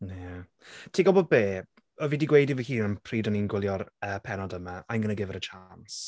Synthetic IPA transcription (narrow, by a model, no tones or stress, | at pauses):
nɛ | tʰiːɡɔlˠbɔd̚beː | ɔviːdiɡwejdivəhiːnəmpʰriːdɔninɡwɪlˠjɔrəːpʰɛnɔdəmaajnɡənəɡɪvɛɾət͡ʃʰans